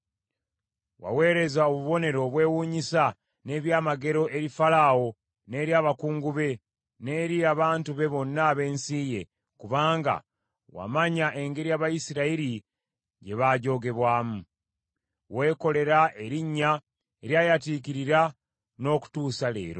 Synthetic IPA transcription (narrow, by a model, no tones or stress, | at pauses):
wa̰we̞ːɾe̞zaoβuβo̞ne̞ɾo̞βwe̞ːwuːɲisa | ne̞ːβjaːmaɡe̞ɾo̞ʔe̞ɾifalawo̞ | ne̞ːɾjaːβakuːŋɡuβe̞ | ne̞ːɾiaβaːntuβe̞βo̞nːaːβe̞ːnsiːje̞ | kuβaːŋɡa̰ | wa̰maɲaʔe̞ŋɡe̞ɾijaːβajisiɾaiɾi | ɟe̞βaːɟo̞ːɡe̞βwaːmu | we̞ːko̞le̞ɾaʔe̞ɾiɲːa | eɾjaːjatiːk̬iɾiɾa | no̞ːku̥tuːsale̞̰ːɾo̰